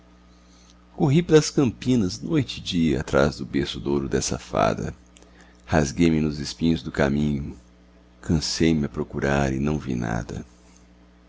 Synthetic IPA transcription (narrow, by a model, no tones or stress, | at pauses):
koɦipelɐskɐ̃mpĩnɐznojt͡ʃɪd͡ʒiɐat̪ɾazd̪ʊbesʊd̪owɾʊd̪ɛsɐ̰fa̰d̪ɐ̰ | hazɡejmɪnʊzɪspĩɲʊzd̪ʊkamĩɲʊ | kʰɐ̃sejmɪɐpɾokuɾaɾɪnɐ̃w̃vḭna̰d̪ɐ̰